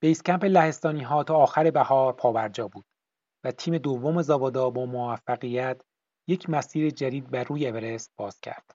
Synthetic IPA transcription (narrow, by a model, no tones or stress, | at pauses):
b̥e̞jscʲæmpe̞læhe̞st̪ɒːniːɦɒːt̪ʰɒːxæɾe̞bæhɒːɾpʰɒːbæɾd͡ʒɒːbuːd̪̥ | væt̪ʰiːme̞d̪ovːo̞me̞zɒbɒːd̪ɒːbɒːmovæfːæɣijæt̪ʰ | je̞cʰmæsiːɾed͡ʒæd̪iːd̪̚bæruːjeeveɾe̞sb̥ɒːz̥cʰæ̰ɾd̪̥